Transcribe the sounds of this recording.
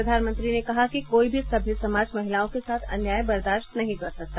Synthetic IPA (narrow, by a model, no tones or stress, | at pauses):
ɾɐd̪ʱaːnmə̃nt̪ɾinekɐɦakikoːibʱisɐbʱɪlsɐmaːd͡ʒmɐɦɪlaːõkesaːt̪ʰɐ̰njaːjbɐɾd̪aːʃt̪nɐɦĩkɐɾsɐk̚t̪a